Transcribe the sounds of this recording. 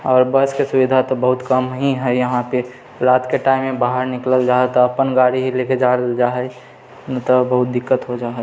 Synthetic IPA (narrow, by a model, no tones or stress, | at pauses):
ɔːɾbəskesʊʋid̪ʱat̪obəɦʊt̪kəmɦĩɦɛjəɦãpe | ɾaːt̪keʈaːɪmːẽbaːɦəɾnɪkləld͡ʒaːɦɛt̪ɔɐpənɡaːɽiɦileked͡ʒaːɽəld͡ʒaɦɛ | nt̪ɔbəɦʊt̪̚d̪ɪkːət̪ɦod͡ʒaːɦɛ